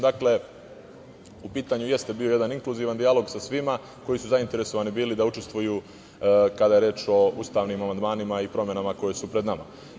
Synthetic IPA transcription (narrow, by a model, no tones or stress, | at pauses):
d̪akle̞ | upiːt̪aɲuje̞st̪e̞bio̞je̞d̪aniŋkluziːʋand̪ialo̞ɡsasʋima | ko̞jisuzaint̪eɾe̞so̞ʋaːnibiːlid̪aut͡ʃe̞st̪vʋujuː | kad̪aje̞ɾeːt͡ʃo̞uːst̪aːʋnimamand̪maːnimaipɾo̞me̞namako̞jesupɾed̪nama̰